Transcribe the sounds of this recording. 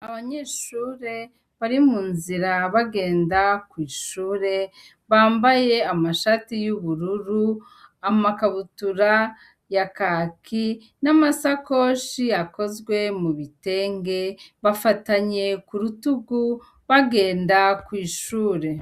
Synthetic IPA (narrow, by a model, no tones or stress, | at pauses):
aβaɲeːʃuːɾe̞ | βaɾimuːnziɾaβaɡe̞ːndakwiːʃuːɾe̞ | βaːmbaje̞amaʃatijuβuɾuɾu | amakaβutuɾa | jakakʰi | namasako̞ːʃiako̞zɡwe̞muβite̞ːŋɡe̞βafataɲe̞kuɾutuɡu | βaɡe̞ːndakwiːʃuːɾe̞